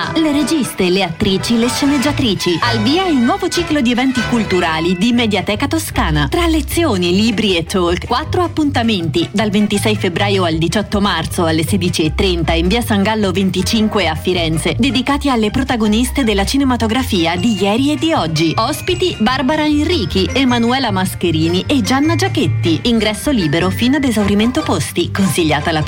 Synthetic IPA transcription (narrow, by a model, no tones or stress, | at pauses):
leɾed͡ʒisst̪eleat̪ːɾiːt͡ʃileʃːened͡ʒːat̪ɾiːt͡ʃialviːailnwɔːvot͡ʃiːklod̪ievɛnt̪ikult̪uɾaːlid̪imed̪jat̪ɛːkat̪oskaːnat̪ɾalːet̪sːjoːniliːbɾiet̪ːolkkwat̪ːɾoapːunt̪ament̪id̪alvent̪isɛjfebɾaːjoald̪it͡ʃɔt̪ːomart̪soalːesed̪it͡ʃiet̪ːɾent̪aiɱviːasaŋɡalːovent̪it͡ʃiŋkweafːiɾɛnt̪sed̪ed̪ikaːt̪ialːepɾot̪aɡonist̪ed̪elːat͡ʃinemat̪oɡɾafiːad̪ijɛːɾied̪ːiɔd͡ʒːiɔspit̪ibarbaɾaenriːk̟iʔemːanuɛːlamaskeɾiːniʔed͡ʒanːad͡ʒaket̪ːiiŋɡɾɛsːoliːbeɾofiːnoad̪ezawɾiment̪opost̪ikonsiʎːaːt̪ala